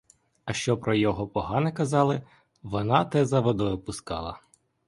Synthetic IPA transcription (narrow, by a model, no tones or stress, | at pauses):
ɐʃt͡ʃɔpɾɔjɔɦɔpɔɦɑnɪkɐzɑlˠɪ | ʋɔnɑt̪ɛzɐʋɔd̪ɔjʊpʊskɑ̰lˠɐ̰